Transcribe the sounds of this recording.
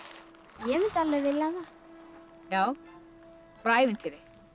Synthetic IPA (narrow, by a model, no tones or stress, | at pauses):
jɛmɪnt̪alvɛɣvɪlːaða | jaːw | pɾaːjvɪnt̪ʰɪːɾɪ